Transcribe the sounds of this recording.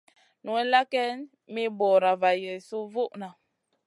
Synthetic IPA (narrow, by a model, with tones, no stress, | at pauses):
nu˨ɛ˦la˦kɛ˦n | mi˦bɔ˨ɾa˨va˨jə˨su˦vu˦ʔna˨